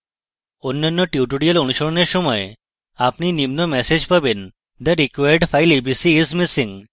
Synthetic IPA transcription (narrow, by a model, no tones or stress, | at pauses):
onːənːɔʈjuʈuɽijəlunuɕoɭnesəməj | apɳinimnomɛsed͡ʑpəben | d̪əɾikʋaɾɖfajlebisiːzmisĩŋɡ